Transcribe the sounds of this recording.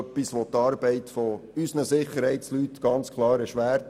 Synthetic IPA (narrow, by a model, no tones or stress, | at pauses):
pːisʋɔt̪ɑːɾbɛɪt̪fɔysnəsɪχəɾhɛɪtslyt̪ɡ̥ɑnt͡skʰlˠɑːɾəʃʋæːɾt